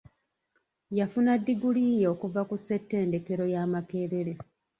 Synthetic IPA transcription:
jafunadːiɡuliːjeokuvakuse̞tːe̞ːnde̞ke̞ɾo̞jaːmake̞ːɾe̞ɾe̞

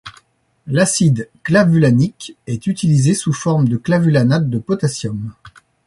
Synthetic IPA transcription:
lasid̪klavylanikɛt̪yt̪ilizesufɔʁmd̪əklavylanad̪̚ːəpɔt̪asjɔm

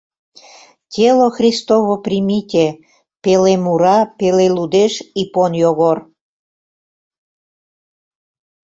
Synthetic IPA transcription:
tʲeloxrʲist̪oβoprimitʲe | pelemuɾɑpelelud̪eʃiponjoɣor

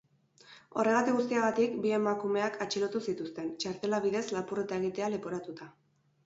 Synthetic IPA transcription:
o̞re̞ŋɣat̪iɣus̬t̪iaɣ̞at̪ikbie̞makume̞akat͡ʃilo̞t̪usit̪ust̪e̞nt͡ʃaɾt̪e̞laβiðe̞zlapure̞t̪ae̞ɣ̞it̪e̞alepo̞ɾat̪ut̪a

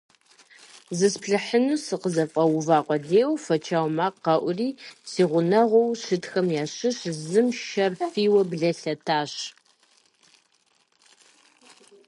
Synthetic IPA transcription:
zɨspɬɨħənuːsɨqəzɐfʼɐwʊvaːqʷʼɔdeːwfɐt͡ʃʰaːwmaːqɐʔʷʊriːsiːʁʷʊnɐʁʷɔwɕɨtxɐmjaːɕɨɕzɨmʃɐrfiːwɐbɮɐɬɐtʰaːɕ

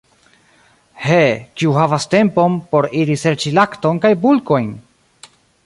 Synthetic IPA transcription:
hekiuhavaste̞mpo̞mpo̞ɾiɾise̞ɾt͡ʃilakto̞nkajbulko̞jn

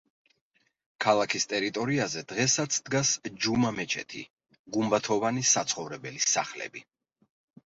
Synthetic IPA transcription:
kʰalˠakʰist̪ʼɛɾit̪ʼɔɾiazɛd̪̥ʁɛsat̪sʰd̪ɡasd͡ʒumamɛt͡ʃʰɛ̰t̪ʰḭ | ɡumbat̪ʰɔvanisat̪sʰχɔvɾɛbɛlisa̰χlɛ̰bi

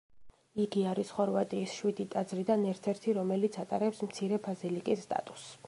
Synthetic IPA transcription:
iɡiaɾisχɔɾvat̪ʼiːsʃwid̪it̪ʼad̪zɾid̪anɛɾt̪ʰɛɾt̪ʰiɾɔmɛlit̪sʰat̪ʼaɾɛpsmt̪sʰiɾɛbazilikʼisːt̪ʼa̰t̪ʼu̥s

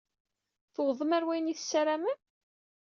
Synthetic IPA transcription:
θəwðˤəmæɾwæjniθsæɾæmæ

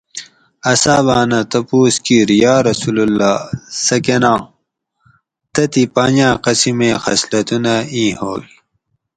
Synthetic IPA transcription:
ɐsaːβaːnɐt̪ɐpuːskiːɾjaːɾɐsululːaːsɐkenãː | t̪ɐt̪ipaːɲãːqɐsimẽːxɐ̰slɐt̪unɐĩːhoːl

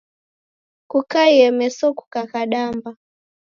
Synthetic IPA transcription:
kukaiɛmɛsɔku̥kakaɗamba

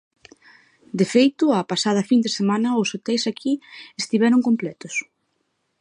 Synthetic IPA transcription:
d̪efejt̪ʊapasað̞ɐfind̪esemanɐosot̪ɛjsakʰiest̪iβɛɾoŋkomplɛt̪ʊs

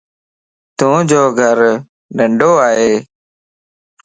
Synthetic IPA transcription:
t̪ũːd͡ʒoːɡʱəɾ | ɖəɳɖoːaːɦeː

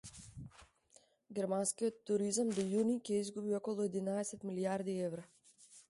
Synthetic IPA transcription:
ɡʲɛɾmanskijɔt̪ːuɾizamd̪ɔjunicʲɛizɡubiɔkɔlˠuɛd̪inaɛsɛt̪miliaɾd̪iɛvɾa

